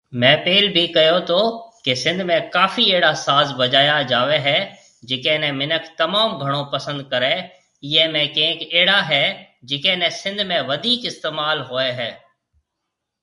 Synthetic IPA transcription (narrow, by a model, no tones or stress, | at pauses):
mɛ̃ːpeːlbʱikɐjot̪ʰokesɪ̃nd̪ʱmẽkaːfieːɽasaːzbɐd͡ʒaːjad͡ʒaːʋeɦɛ | d͡ʒɪkeːnẽmɪnəkʰt̪ɐmaːmɡʱɐɽ̃õpɐsə̃nd̪̚kɐɾẽ | ɪjemẽkẽːkeːɽaɦɛ | d͡ʒɪkẽːnẽsɪ̃nd̪ʱmẽʋɐd̪ʱiːkɪst̪eːmaːlɦoːeɦɛː